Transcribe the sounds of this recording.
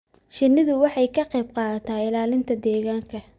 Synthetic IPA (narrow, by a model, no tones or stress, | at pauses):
ʃɪnːɪðʊwɑħɑjkʰɐqɛjb̚qɑːt̪ʰaːɪlaːlɪnt̪ʰɐd̪ɛːɣaːŋkʰɐ